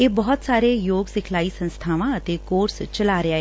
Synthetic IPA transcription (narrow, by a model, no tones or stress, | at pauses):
eːbɔːt̪saːɾeːjoːɡsɪkʰlaːiːsə̃nst̪ʰaːʋãːət̪eːkoːɾst͡ʃəlaːɾɪaːɦɛ